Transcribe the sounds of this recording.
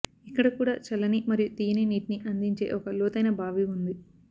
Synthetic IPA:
ikːɐɽɐkuːɽa̰ːt͡ʃɐlːɐnimɐɾijut̪iːjɐneniːʈniʔɐnd̪iɲt͡ʃe̞̰ːʔɔkɐlɔːt̪ɐjnɐbʱaːʋiund̪i

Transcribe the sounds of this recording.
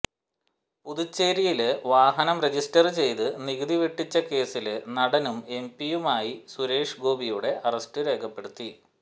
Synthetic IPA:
puðut͡ɕːeːɾijilʋaːɦɐnɐmre̞d͡ʑistɐrt͡ɕe̞jt̪ɨniɣɐðiʋiʈːit͡ɕːɐke̞ːsilnɐɽɐnume̞mpijumaːjisuɾe̞ːʂɡo̞ːbijuɽe̞ʔɐrɐstɨɾe̞ːkʰɐpːe̞ɽut̪ːi

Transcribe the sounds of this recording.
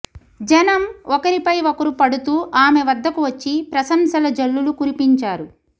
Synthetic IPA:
d͡ʒɛnɐmɔkɐɾipɐjɔkɐɾupɐɽut̪uːʔaːmeʋɐd̪ʱːɐkuʋɐt͡ʃːipɾɐsɐmsɐlɐd͡ʒɐlːulukuɾipiɲt͡ʃaːɾu

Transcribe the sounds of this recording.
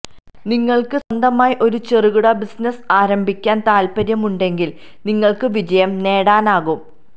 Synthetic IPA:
niŋːɐɭkɨsɐnd̪ɐmaːjiʔo̞ɾut͡ɕeriɣuɽɐbisnɐsaːɾɐmbʱikʲːaːnt̪aːlpɐɾjɐmuɳɖe̞ŋɡil | niŋːɐɭkɨʋid͡ʑɐjɐmne̞ːɽaːnaːɣum

